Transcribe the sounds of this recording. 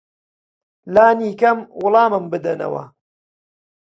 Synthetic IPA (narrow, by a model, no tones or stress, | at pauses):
laːniːkɐmwʊlˠɑːmɨmbɨd̪ɐnɐ̰wɐ̰